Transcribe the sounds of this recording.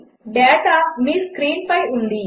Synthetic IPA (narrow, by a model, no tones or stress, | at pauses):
ɖɛːʈamiskɾiːnpãiɦʊ̃nd̪iː